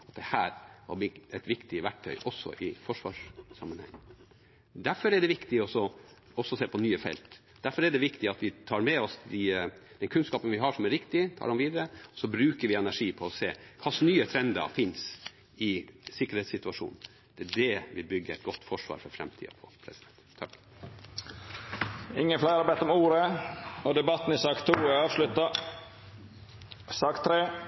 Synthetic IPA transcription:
ɑt̪̚d̪ɛhæːɾhɑ̰bɪɛt̪ʋɪkt̪ɪʋæʈ̚ʈʰœʏʔɔsɔ̰ʔɪfɔʂʋɑ̰ːʂsɑmːənhɛ̰ŋː | d̪æɾfɔɾɛɖ̪ɛʋɪkt̪ɪɔsɔ | ɔsɔseːpʰɔnyːəfɛ̰lt̪ | d̪æɾfɔɾɛɖ̪ɛʋɪkt̪ɪɑt̪ʋɪt̪ʰɑːɾmɛɔsd̪ɪd̪̥ɛnkʰʉnskɑːpənʋɪɦɑʂɔmæɾʋɪkt̪ɪt̪ʰɑ̰ːɖɛmʋiːd̪əɾəɔsɔbɾʉːkəɾʋɪɛnæʂiːpʰɔɔseːkʰɑsnyːət̪ʰɾɛnd̪ɑ̰fɪns | ɪsɪkːəɾheːt̪sɪt̪ʉɑʂṵːnn̩ | d̪̥ɛɖɛʋɪlbʏɡːəɛ̰ɪt̪̚ɡɔt̪ːfɔʂʋɑ̰ːɾfɔɾfɾɛ̰mt̪ʰḭːə̰pʰɔpʰɾɛsɪd̪ɛnt̪ʰːɑ̰k | ɪŋːənflæɪɑɾbɛɪt̪ːɔmuːɾəɔd̪ɛbɑt̪n̩ɪsɑːkt̪ʰuːɛɑːʋʂlʉt̪ɑ | sɑːkt̪ʰɾeː

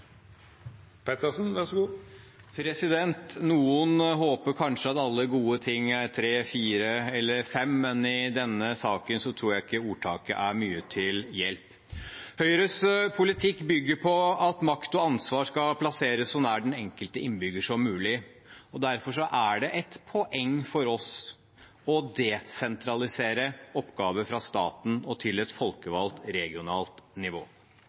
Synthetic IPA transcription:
pʰɛt̪əsn̩ʋɑʂɡuː | pʰɾɛsɪd̪ɛnt̪nuːənɦoːpəɾkʰɑnʂəɑt̪ɑlːəɡuːət̪ʰɪŋːæɾt̪ʰɾeːfiːɾəɛlːəɾfɛmmɛnɪd̪ɛnːəsɑːkənsɔt̪ʰɾuːɾjæɪɪkːəuːʈʰɑːkə̰ʔæɾmyːət̪ʰɪljɛ̰lp | hœʏɾəspʰʊlɪt̪ʰɪkːbʏɡːəɾpʰɔɑt̪mɑkt̪ɔɑnsʋɑːʂkɑpʰlɑseːɾəsːɔmnæːɖɛnɛŋkəlt̪əɪnːbʏɡəʂɔmːʉːlɪ | ɔd̪æɾfɔʂɔʔæɖɛʔɛt̪pʰɔʔɛŋːfɔɾɔs | ɔd̪ɛsɛnt̪ʰɾɑlɪseːɾəɔpːɡɑːʋəfɾɑst̪ɑ̰ːt̪n̩ɔt̪ʰɪlɛt̪fɔlkəʋɑlt̪ɾɛɡɪʊnɑːlt̪nɪʋoː

